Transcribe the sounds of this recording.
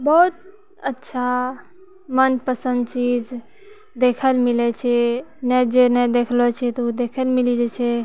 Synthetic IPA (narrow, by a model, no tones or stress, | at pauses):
bɔɦut̪̚ | ətːʃʰa | mənpəsənd̪t͡ʃid͡ʒ | d̪ekʰəlmilɛt͡ʃʰɛnɛd͡ʒenɛd̪ekʰlɔt͡ʃʰɛt̪ɔud̪ekʰəlmilid͡ʒɛt͡ʃʰɛ